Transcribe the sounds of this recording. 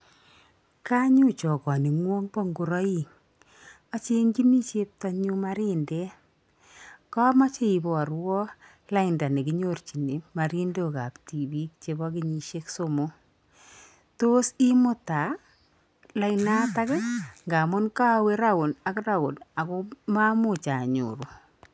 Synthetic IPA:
ka˦ɲʊ˦t͡ʃɔ˨kɔ˨ni˨ŋwo˦ŋpɔ˦ŋɡʊ˨ɾɔ˦i˦ŋ | a˦t͡ʃe˦ŋɡi˦mi˦t͡ʃe˦p̚ta˦ɲʊ˦ma˦ɾɪ˦nde˦ | ka˦ma˦t͡ʃe˦i˨bɔ˨a˨ɾwɔ˦ | la˦ɪnda˨ne˨kɪ˦ɲort͡ʃi˨ne˨ma˨ɾi˦ndo˦ka˨pti˨bi˦k̚t͡ʃebɔ˦kɪɲi˨ʃe˦ksomo˦ | to˦si˦mʊ˦ta˨ | la˨ɪna˦ta˦kɛ˦ŋɡa˨mʊ˦nka˦we˦ɾa˦ɡʊ˨na˨kɾa˦ɡʊ˨na˨kʊ˦ma˦mʊ˨t͡ʃa˨ɲṵɾu˨

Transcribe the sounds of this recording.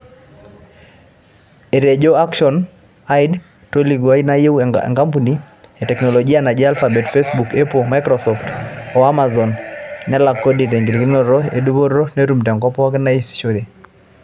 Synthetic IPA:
e˨ɾe˨d͡ʒo˦a˦kʃɔ˨n | a˦id | to˦li˨ɡwa˦i˦na˦je˦w̰ŋka˦mpuni | etɛ˨knɔ˨lɔɡi˦a˦˨na˨d͡ʒe˦a˦lfabɛ˨tfesbu˨kɛ˦poma˦jkɾɔsɔftɔ˨a˦ma˨zɔ˨nːɛ˦la˨kːo˦di˨te˨ŋɡi˨ɾki˦no˦ɾɔ˦e˨du˦bo˦ɾo˦ne˦ɾu˦mtɛ˨ŋkɔ˦pɔ˦kɪ˦na˦i˦sʃo˦ɾe˨

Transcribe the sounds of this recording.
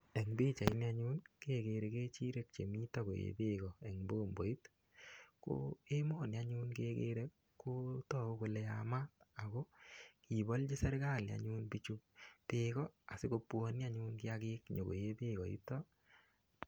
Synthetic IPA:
ɛ˨ŋbi˦t͡ʃa˨i˦ni˦aɲu˦nke˦ɡe˨ɾe˨keː˦t͡ʃi˦ɾe˨k̚t͡ʃe˨mi˦tɔ˦ko̰˨jḛ˨be˦ɡɔ˨ɛ˨ŋboː˦mbo˨i˦t | ko̰e˦mo˦˨nja˦ɲu˦nke˦ɡḛ˦ɾe˦ | kːo˦tɔ˨o˦ko˨lɛ˧ama˦ta˨ɡo˦ki˨bɔ˦ld͡ʒi˦sɛ˦ɾɡa˦˨lja̰˨ɲu˦nbi˦t͡ʃu˦ptekɔ˦a˨sɪ˦ko˧pwɔ˦nja˦ɲu˦nkɪ˦akɪ˦kɲo˨ko̰˨je˦be˦ɡɔ˨ḭ˦tɔ˦

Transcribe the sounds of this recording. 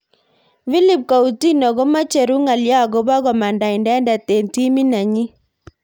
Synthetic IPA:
fi˦li˨p̚ka˨u˨ti˦nɔ˨ɡo˦ma˦t͡ʃe˨ɾu˦ŋa˨lja˦˨ɡo˦ba˦ɡɔ˨ma˨nda˨i˨ndɛ˦nda˨te˨nti˦mi˦na˨ɲi˦

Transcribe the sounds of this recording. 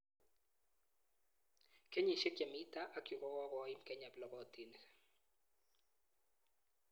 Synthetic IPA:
ke˦ɲi˨ʃe˦kja˨mi˦ta˦ʔa˨˦kju˨kɔ˦kɔ˦kɔ˨ɪ˦mkɛ˦ɲa˨blɔ˦ɡɔ˨ti˨ni˨

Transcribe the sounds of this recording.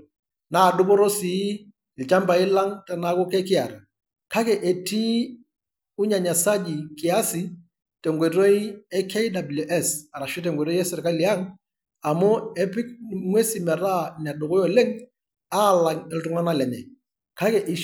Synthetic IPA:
naː˨dʊ˦kʊ˦ɾo˦si˨˦ | ɪ˨lt͡ʃa˦mba˨ɪ˦la˦ŋta˨na˨˦kʊ˦kɛ˦kɪ˦a˨ɾa˨ | ka˦kɛ˨ʔe˨tiː˦ | ʊ˦ɲa˨ɲa˨sa˦d͡ʒi˨kɪ˨a˦sɪ˨ | tɛ˨ŋɡʷwe˨ɾo˦i˦ɛ˦kʰe˦jda˨blo˨ʔɛ˦sa˨ɾa˨ʃɔ˦t̬ɛ˨ŋɡʷwe˨ɾo˦ɛ˦sɪ˨rka˦li˨a˦ŋ | a˨mʊ˦ɛ˦pɪ˦kŋwe˦si˨mɛ˨ɾa˦n˨a˨dʊ˨kɔ˦jɔ˨le˦ŋ | a˦˨la˨ŋɛ˨ltʊ˦ŋa˦na˦lɛ˨ɲɛ˨ | ka˦kɛ˨ʔi˨

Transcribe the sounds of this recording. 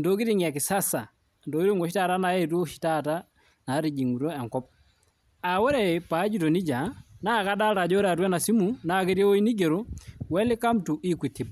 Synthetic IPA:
ndo˦ki˦ɾi˦ŋa˨kɪ˨sa˦sa˨ | ndo˨ki˦ɾu˦ŋɔ˨ʃi˦ta˦˨ta˦na˨˦jɛ˦tu˦ʃi̥˦ta˦ta˦ | na˨˦ɾi˨d͡ʒi˨ŋu˨ɾo˦a˨ŋkɔ˦p̚ | a˨wɔ˦ɾɛ˨pa˨˦d͡ʒu˦to˨ni˦d͡ʒa˨na˦˨ka˦da˦ta˨d͡ʒɔ˦ɾa˨twɛ˦na˨si˦mu˨na˨ke˦ɾje˦o˦i˦ni˦ɡe˨ɾo˦wɛ˦lɪ˦ka˦mtu˨ʔi˦kwi˨ti˨b

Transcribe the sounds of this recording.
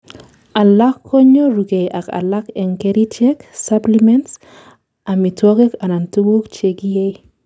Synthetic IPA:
a˨la˦kʰːo˦ɲo˦ɾu˨ɡe˨jʔa˨ka̰˨la˦kɛ˨ŋkeɾi˦t͡ʃɛksaplimɛnts | a˨mitwo˦ɡe˦ka˨na˨ntu˦ɡu˦kt͡ʃe˨ɡije˦j

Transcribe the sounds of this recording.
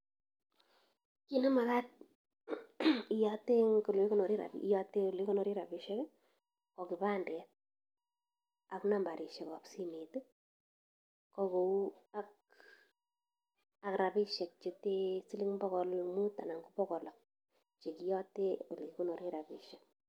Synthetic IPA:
ki˦na˦ma˨ka˦t̚ | ijate˦ŋko˨li˦ko˦no˨ɾi˦ɾa̰˨pḭ˦jɔte˦o˦li˦ko˦no˨ɾi˦ɾa˨bi˨ʃɛ˦k | kɔ˨ki˨pa˦ndɛ˨t̚ | a˨kna˨mba˨ɾʔi˨ʃɛ˨kɔ˨psi˦mi˨tu˦ | kɔ˧ko˨u˦a˦k | a˨kɾa˨pi˦ʃɛ˨k̚t͡ʃe˨te˦si˦li˦ŋbɔ˦kɔ˨lmu˦ta˨na˨ŋɡu˦pɔ˦kɔ˨lɔ˨k̚ | t͡ʃe˨ki˦jɔ˦teo˨li˨ko˦no˨ɾi˦ɾa˨pi˨ʃɛ˨k̚

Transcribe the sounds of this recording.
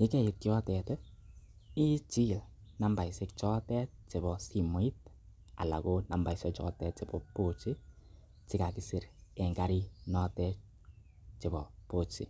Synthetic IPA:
jɪ˦kɛ˦˨ɪ˨t̚kɪ˦ɔ˦tɛ˨tɛ˦ | i˦t͡ʃi˦˨lna˨mba˨i˨sɪ˦kt͡ʃɔ˦tɛ˦t͡ʃi˨bɔ˨si˨mɔ˨˦i˦t̚ | a̰˨la̰˨ko˦na˨mba˨i˨sɔ˦t͡ʃɔ̰˦tɛ˦t͡ʃɪ˨bɔ˨po˦t͡ʃi˦ | t͡ʃɪ˦ka˨ki˨si˦ɾe˨ŋɡa˨ɾi˦nɔ˦tɛ˦ | t͡ʃi˨bɔ˨po˦˨t͡ʃḭ˨

